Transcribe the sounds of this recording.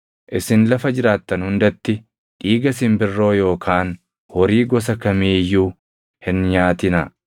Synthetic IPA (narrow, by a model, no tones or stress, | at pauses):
ʔɪsɪnlɐfɐd͡ʒɪɾaːt̪ːɐnhʊnd̪ɐt̪ːɪ | ᶑiːɡɐsɪmbɪrːo̞ːjo̞ːkʰaːn | hɔɾiːɡɔs̬ɐkɐmiːjuː | hɪnɲaːt̪ɪnɐ